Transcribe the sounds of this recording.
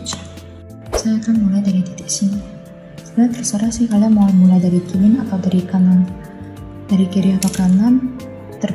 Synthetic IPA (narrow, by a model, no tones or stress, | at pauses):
sajakanmulajdaɾit̪it̪ɪʔsin | sə̥blat̪ərsəɾasihalamawamulajdaɾikilɪnat̪awdaɾikanan | daɾikiɾiak̪akanan | t̪ər